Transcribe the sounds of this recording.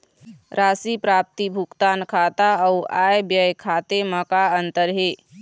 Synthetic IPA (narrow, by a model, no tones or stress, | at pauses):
ɾasipɾap̚t̪ibʱukt̪ankʰat̪aəuajbjəjkʰat̪eməkaənt̪əɾɦe